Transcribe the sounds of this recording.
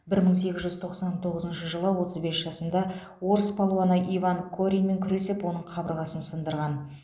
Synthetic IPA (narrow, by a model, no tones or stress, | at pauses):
bɪɾməɴse̞ɡʲɪzʒʏzt̪ʰo̞qsɑnt̪ʰo̞ʁəzənʃəʒəlˠəwo̞t̪əzbe̞sʒ̥ɑsənd̪ɑ | wo̞ɾəspʰolˠuanɑʔivaŋkʰoɾʲijme̞ŋkʲʰʏɾe̞sɪpwo̞nəɴqʰɑbəɾʁɑsənsənd̪əɾʁɑn